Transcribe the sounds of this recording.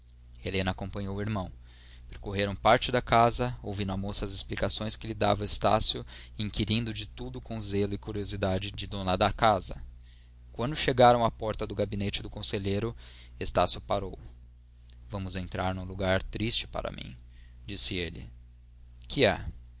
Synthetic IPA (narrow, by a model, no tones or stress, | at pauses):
elẽnɐaːkõmpɐ̃ɲowiɾmɐ̃w̃ | peɾkoɦeɾɐ̃w̃paɾt͡ʃɪd̪ɐkazɐowvĩnʊamosɐɐzesplikasõj̃skɪlɪd̪a̰vɐest̪a̰sjʊĩŋkiɾĩnd̪ʊd͡ʒɪt̪ud̪ʊkõw̃zelʊɪkuɾiozid̪ad͡ʒɪd͡ʒɪd̪õnɐd̪ɐkazɐ̰ | kwɐ̃nd̪ʊʃeɡaɾɐ̃w̃ɐpɔɾt̪ɐd̪ʊɡabinet͡ʃɪd̪ʊkõseʎejɾʊ | est̪asjʊpaɾow | vɐ̃mʊzẽnt̪ɾaɾnũluɡaɾt̪ɾist͡ʃɪ̥pa̰ɾɐ̰mḭ̃ | d͡ʒisɪelɪ̰ | kʰɪɛ